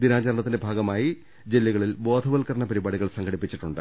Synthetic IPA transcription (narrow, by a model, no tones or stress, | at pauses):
d̪inaːd͡ʑɐɾɐɳɐt̪ːinde̞bʱaːɡɐmaːji | d͡ʑe̞lːiɣɐɭilbo̞ːd̪ʱɐʋɐlkɐɾɐɳɐpɐɾibaːɽiɣɐɭsɐŋɡʰɐɽipːit͡ɕːiʈːuɳɖɨ